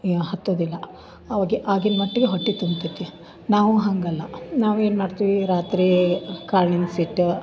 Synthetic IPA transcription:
hɐt̪ːoːd̪ilːɐ | ɐʋaːɡiʔaːɡinmɐʈːiɡeɦoʈːit̪umbt̪it̪ːi | naːʋuɦɐŋɡɐlːɐnaːʋeːnmaːɖt̪iʋiɾaːt̪ɾikaːɾɳinsiʈː

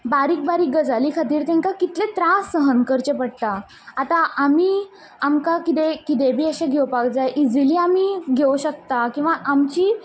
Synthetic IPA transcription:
baɾiːk̚baɾiːɡəd͡zaliːkʰat̪iːɾt̪ẽŋkakit̪let̪ɾasːəɦənkəɾt͡ɕepəɽt̪aː | t̪aʔamiː | amkakit̪ekit̪̬ebʱiːəɕẽɡʱewpakd͡zajʔid͡ziliːamiːɡʱeʋuɕək̚t̪akĩw̃ʋaʔamt͡ɕiː

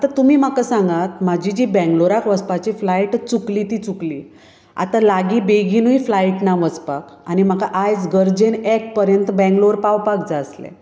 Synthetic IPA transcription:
at̪at̪um̤iːm̤akasãŋɡat̪mad͡ʑid͡ʑibɛ̃ŋɡloɾakʋəspat͡ɕiflaiʈt͡suklit̪iːt͡sukli | a̰t̪alaɡibeɡinujflaiʈnaʋəspak | anim̤akaʔajd͡zɡəɾd͡ʑenek̚pəɾjənt̪əbɛ̃ŋɡloɾpawpak̚d͡zaslḛ

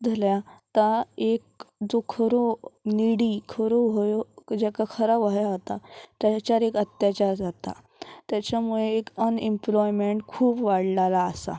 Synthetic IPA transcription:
d͡zʱəljat̪aek̚d͡zokʰəɾoniɽikʰəɾoʋʱojod͡ʑakakʰəɾaʋaɦjaɦot̪at̪jat͡ɕaɾekət̪jat͡ɕaɾd͡zat̪a̰ | t̪jat͡ɕjamuɭeekənimplɔjmeɳʈkʰuːpʋaɽlalaəsa̰

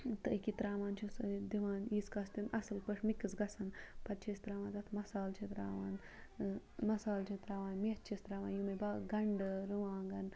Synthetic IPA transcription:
t̪əkit̪ɾaːʋaːnt͡ʃʰisd̪iʋaːnjiːskast̪inʔɐsɐlpəʂmikɨsɡɐsɐnpɐtt͡ʃʰest̪ɾaːʋãːnd̪ɐt̪ʰmɐsaːlt͡ʃʰit̪ɾa̰ːʋaːn | mɐsaːlt͡ʃʰit̪ɾaːʋaːnmiɐtt͡ʃʰest̪ɾaːʋaːnjumɐbaɡɐɳɖɨɾɨʋaːŋɡɐn

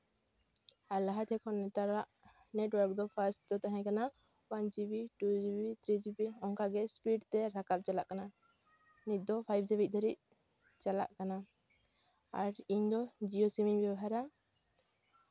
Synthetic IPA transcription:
alaɦat̪ʰɛkʰɔnɛt̪aɾaʔ | nɛʈwəɾk̚d̪ɔpʰaɾsʈ̚d̪ɔt̪aɦɛ̃kana | wand͡ʒibiʈud͡ʒibit̪ʰɾid͡ʒibiɔŋkaɡɛspiɖt̪ɛɾakap̚t͡ʃalaʔkana | nit̪̚ˀd̪ɔpʰajb̚d͡ʒɛbic̪̚d̪ʰʱaɾiʔ̚ | t͡ʃala̰ʔkana | aɾiɲd̪ɔd͡ʒiɔsimiɲbɛbaɦaɾa

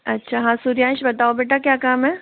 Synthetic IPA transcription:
ɐtːʃʰaːɦãːsuɾijãːnʃbɐt̪aːobeːʈ̬akjaːkaːmɦɛː

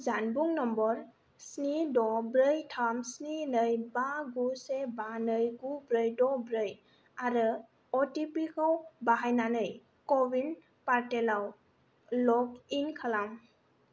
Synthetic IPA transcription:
zanbuŋnɔmbɔɾ | snidɔbɾɯjtʰamsninɯjbaɡusebanɯjɡubɾɯjdɔbɾɯj | aɾɯ | ɔtipikʰɔwbaɦajnanɯj | kɔbin | paɾtelaw | lɔkinkʰalam

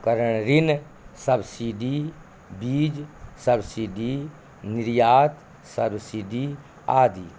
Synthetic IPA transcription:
kəɾəɳ̃ɾɪn | səbsiːɖi | biːd͡ʒsəbsiːɖiː | nɪɾjaːt̪ | səbsiːɖiː | aːd̪iː

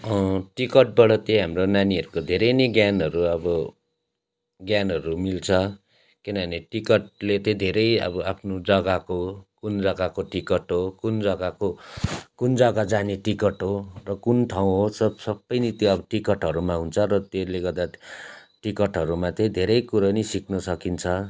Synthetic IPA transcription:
ʌ̃ʈikʌʈ̚bʌɽʌt̪ʌɦamronaniɦʌɾukod̪ʱeɾʌjneɡjanɦʌɾuʌbʌ | ɡjanʌɾumilt͡sʰʌ | kinʌneʈikʌʈ̚let̪ʌ̃d̪ʱeɾʌjʌ̰bʌapʰnod͡zʌɡakokund͡zʌɡakoʈikʌʈɦokund͡zʌɡakokund͡zʌɡad͡zaneʈikʌʈɦorʌkunʈʰaw̃ɦosʌsʌbːʌjnit̪joʌbʌʈikʌʈɦʌɾumaɦunt͡sʰʌɾʌt̪eleɡʌrd̪aʈikʌʈɦʌɾumat̪ed̪ʱeɾʌjkuɾʌnisiknʌsʌkint͡sʰʌ

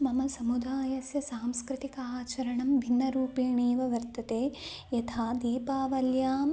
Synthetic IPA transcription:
mɐmɐsɐmud̪ʱaːjɐsjɐsaːmskɾɪt̪ikɐaːt͡ʃɐɾɐɳɐmbʱinːɐɾuːpiːɳiːʋɐʋɐɾt̪ɐt̪eː | jɐt̪ʰaːd̪iːpaːʋɐljaːm

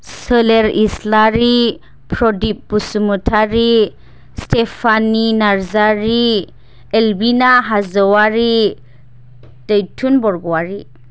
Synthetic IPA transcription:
səleɾḭslaɾi | pʰɾɔdip̚b̥usumutʰaɾi | stepʰaninaɾzaɾi | elbinaɦazɔwaɾi | d̥ajtʰunbɔɾɡɔwaɾi

